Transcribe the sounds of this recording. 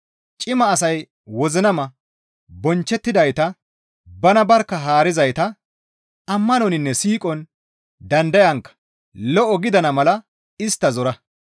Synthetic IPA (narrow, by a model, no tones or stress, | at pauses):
t͡ʃʼɪmɐːsɐj | wɔzɪnɐmɐ | bɔnt͡ʃːɛt̪ːɪd̪ɐjt̪ɐ | bɐnɐbɐɾkːɐɦaːɾɪzɐjt̪ɐ | ɐmːɐnɔnɪnːɛsiːkʼɔn | d̪ɐnd̪ɐjɐŋkːɐ̥ | lɔʔɔɡɪd̪ɐnɐmɐlɐ | ɪst̪ːɐzɔɾɐ